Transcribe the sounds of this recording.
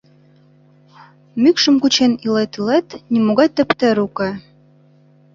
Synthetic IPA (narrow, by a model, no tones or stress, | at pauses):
mykʃə̆mkut͡ɕenilet̪ilet̪nʲimoɣɑjt̪ɘ̆pt̪ɘ̆ɾukɤ